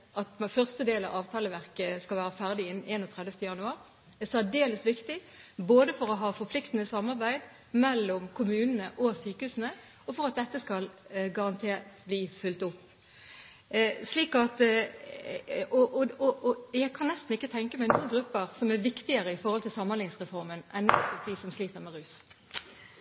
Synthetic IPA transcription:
ʔɑt̪mfœʁst̪əd̪eːlɑ̰ʋɑːʋt̪ʰɑːləʋæʁkəskɑlʋæːɾəfæʁd̪ɪɪn̩ʔeːnɔːt̪ʰʁɛd̪əft̪əjɑnʉɑːɾ | ɛsæɖeːləsʋɪkt̪ɪ | boːd̪əfɔʁɔɦɑːfɔɾpʰlɪkt̪ən̩əsɑmːɑʁbæɪd̪ | mɛlːɔmkʰʊmʉːnənəʔɔsyːkəhʉːsən̩ə | ɔfɔɾɑt̪̚d̪ɛt̪ːəskɑlɡɑʁɑnt̪ʰebliːfʉlt̪ʊpː | sliːkɑt̪ | ɔʔɔɔjæɪkʰɑnːɛst̪n̩ɪkːət̪ʰɛŋkəmæɪnuːənɡʁʉpːəɾsɔmæʋɪkt̪ɪəɾəɪfɔɾhɔlt̪ʰɪlsɑmːənlɪŋsʁɛfɔɾmənʔænɛt̪ːɔp̚d̪iːsɔmsliːt̪əɾmɛʁʉːs

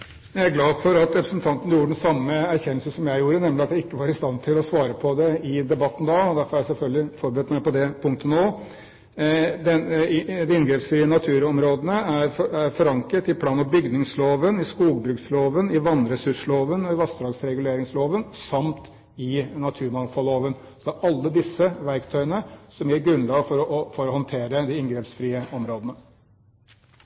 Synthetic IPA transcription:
jææɾɡlɑːd̪fɔɾɑt̪ɾɛpɾəsnt̪ʰɑnt̪ən̩əjuːɾəɖɛnsɑmːəæɾçɛnːəlsəsɔmjæɪjuːɾənɛmlɪɑt̪jæɪkːəʋɑːɾɪst̪ɑnt̪ʰɪlɔsʋɑːɾəpʰɔd̪ɛɪd̪ɛbɑt̪ːn̩d̪ɑɔd̪æɾfɔɾæjæsɛlfœlɡ̪lɪfɔɾbəɾɛt̪mæɪpɔd̪ɛpʰʊŋkt̪ənoː | d̪ɛd̪ɛɪnɡɾeːpsɪnɑt̪ʰʉːɾɔmɾoːd̪ənəæɾæɾfɔɾɑŋkət̪ɪpʰlɑːnɔbʏɡnɪŋsloːʋənɪskuːɡbɾʉːksloːʋənɪʋɑnɾɛsʉʂloːʋənɔɪʋɑst̪ɾɑːɡsɾɛɡʉleːɾɪŋsloːʋənsɑmt̪ | ɪnɑt̪ʰʉːɾmɑnfɔlːoːʋən | sɔd̪ɛæːɾʔɑlːəd̪ɪsːəʋæɾkt̪ʰœʏənəsɔmjiɾɡɾʉnlɑːɡfɔɾɔfɔɾɔhɔnt̪ʰeːɾəd̪ɪɪnɡɾɛpsfɾiːəɔmɾoːd̪ənə

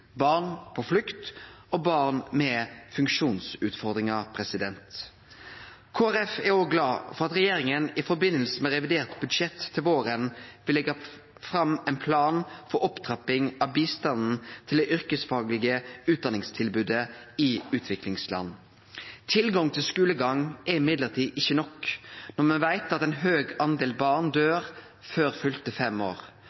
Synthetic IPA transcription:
bɑːʁnpʰɔflʉkt̪obɑːʁnmɛfʉŋkʂuːnsʉːt̪fɔʁd̪ʁɪŋɑpʰʁɛsɪd̪ɛnt̪ | kʰoːæʁɛfæʁoːɡlɑːfɔʁɑt̪ʁɛjeːɾɪŋənɪfɔɾbɪnːəlsəmɛʁɛʋɪd̪eːʁt̪bʉd̪ʃɛt̪ʰːɪlʋoːɾənʋɪlɛɡɑ | fɾɑmɛnpʰlɑːnfɔɾɔpt̪ʰʁɑpɪŋɑʋbiːst̪ɑnn̩t̪ʰɪld̪ɛʔʏɾkəsfɑːɡlɪɡəʉːd̪ɑnɪŋst̪ʰɪlbʉːd̪əɪʉːt̪ʰʋɪklɪŋslɑ̰nː | t̪ʰɪlɡɑŋt̪ʰɪlskʉːləɡɑŋɛɾɪmɪd̪ləʁt̪ʰiːd̪ɪçənɔknɔʁmɛnʋæɪt̪ɑt̪ɛnɦøːɡɑnd̪eːlbɑʁnd̪øːʁ | føːɾfʏlt̪əfɛmo̰ːʁ

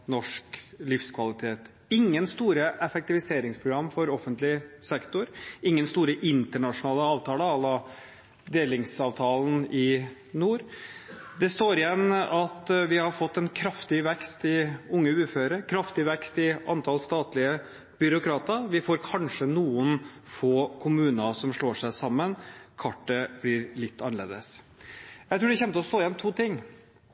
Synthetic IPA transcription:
nɔʂklɪfskʰʋɑlɪt̪ʰeːt̪ | ɪŋːənst̪uːɾəʔɛfɛk̚t̪ɪʋɪseːɾɪŋspʰɾʊɡɾɑmːfɔɾɔfːənt̪lɪsɛkt̪ʊɾɪŋːənst̪uːɾəʔɪnt̪əɳɑʂʊnɑːləɑːʋt̪ʰɑːləɑlːɑ | d̪eːlɪŋsɑːʋt̪ʰɑːln̩ɪ | nuːɾ | d̪ɛst̪oːɾɪjɛnːɑt̪ʋɪhɑɾfɔt̪ːɛnkʰɾɑft̪ɪʋɛkst̪ɪʊŋːəʉːføːɾɾəkʰɾɑft̪ɪʋɛkst̪ɪʔɑnt̪ʰɑlst̪ɑːt̪lɪə | b̥ʏɾʊkʰɾɑːt̪əɾʋɪfoːɾkʰɑnʂənuːən | foːkʰʊmʉːnɑsɔmʂɭoːʂæɪsɑmːənkʰɑʈːəb̥lɪɾlɪt̪ːɑnːəɭḛːd̪əs | jæɪt̪ɾʉːɖ̪ɛçɛnt̪əɔst̪oːɪjɛnt̪ʰuːt̪ʰɪŋː

